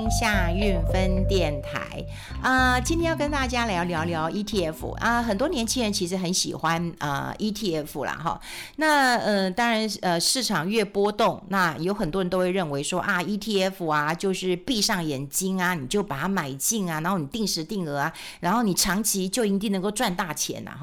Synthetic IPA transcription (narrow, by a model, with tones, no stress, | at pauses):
ɕja˥˧y˥˩nfə˦nt̪jɛ˥˩nt̪ʰa̰˧˥˦ɪ | ə˧t͡ɕi˥nt̪ʰjɛ˥jɑ˥˧˩kə˥nt̪a˥˩t͡ɕja˥ljɑ˧˥ʊljɑ˧˥ʊljɑ˧˥ʊi˥t̪ʰi˥˩ɛ˥fṵ˨˩ʔə˧xə˨˩nt̪wɔ˥njɛ˧˥nt͡ɕʰi˥ŋɻə˧˥nt͡ɕʰi˧˥ʂɻ̩˧˥xə˧˥nɕḭ˨˩xwa˦nə̰˧i˥t̪ʰi˥˩ɛ˥˩fu˨˩lɐ̰˩xɔ̰˧˩ | na˥˩ə˧t̪ɑ˥ŋɻa˧˥nə˧ʂɻ̩˥˩ʈ͡ʂʰɑ˨˩ŋɥɛ˥˩pwɔ˥t̪ʊ˥˩ŋna˥˩jo˧˥ʊxə˨˩nt̪wɻnt̪o˥ʊwe˥˧ɻə˥˩nwe˧˥ɪʂwɔ˥ʔa˧i˥t̪ʰi˥˩ɛ˥fu˨˩ɐ˩t͡ɕjo˥˧ʊʂɻ̩˥˧pi˥˧ʂɑ˥˩ŋjɛ˨˩nt͡ɕi˥ŋɐ˨ni˨˩t͡ɕjo˥˩ʊpa˨˩t̪ʰa˥ma˨˩ɪt͡ɕi˥˩ŋɐ˩na˧nxo˥˩ni˨˩t̪i˥˩ŋʂɻ̩˧˥t̪i˥˩ŋɤ˧˥ɐ˧ɻa˧˥nxo˥˩ʊni˨˩ʈ͡ʂʰɑ˧˥ŋt͡ɕʰi˧˥t͡ɕjo˥˩ʊi˧˥t̪i˥˩ŋn˧˥ŋko˥˧ʊʈ͡ʂwa˥˧nt̪a˥˩t͡ɕʰjɛ̰˧˥nɐ̰˧x